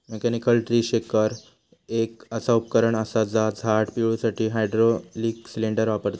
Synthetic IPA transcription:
mekɛnikəlʈɾiːɕekəɾ | ekəsaupəkəɾəɳəsad͡zad͡zʱaʈpuɭusaʈʰiːɦajɖɾoliːksileɳɖəɾʋapəɾt̪a

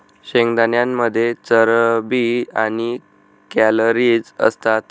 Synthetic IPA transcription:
ɕeŋɡd̪anjamːəd̪ʱːjet͡səɾbiaɽ̃i | kæləɾid͡zə̰st̪at̪

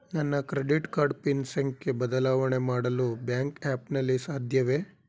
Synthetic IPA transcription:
nɐnːɐkɾeɖiʈkaːɾɖpinsɐŋkːebɐd̪ɐlaːʋɐɳemaːɽɐlubjaːŋkaːpnɐlːisaːd̪ʱjɐʋe

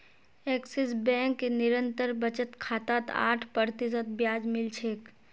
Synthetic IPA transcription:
eːksesbɛ̃ːŋkːenɪɾə̃nt̪əɾbɐt͡ʃət̪kʰaːt̪aːt̪a̰ːʈʰpəɾt̪izət̪̚bjaːd͡ʒmɪlt͡ʃʰeːk

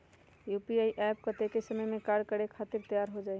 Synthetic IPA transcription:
jupiaiʔɛp̚kət̪ekesəməjmekaɾɖkəɾekʰat̪iɾt̪əjaɾɦod͡ʒaɪ

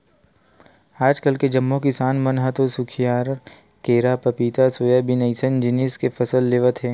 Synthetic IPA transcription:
aːd͡ʒkəlked͡ʒɐmːõkɪsaːnmɐnɦat̪osʊkʰijaːɾ | keːɾapɐpiːt̪asoːjabɪnəɪsənd͡ʒɪniːskefʰɐsəlːeːʋət̪ɦeː

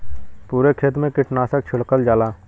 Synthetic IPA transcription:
puːɾekʰeːt̪mẽkɪʈnaːsək̚t͡ʃʰʊɽkəld͡ʒaːlaː

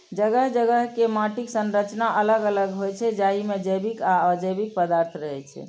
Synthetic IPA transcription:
d͡ʒəɡəɦd͡ʒəɡəɦkemaʈiksənɾət͡ʃnaʔələɡələɡɦojt͡ʃʰɛd͡ʒaimed͡ʒəbikaəd͡ʒəjbik̚pəd̪aɾt̪ʰɾəɦɛt͡ʃʰɛ̰

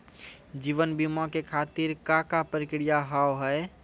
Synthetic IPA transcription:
d͡ʒiʋənbimãkekʰat̪iɾkakapəɾɪkɽijaɦawɦəe

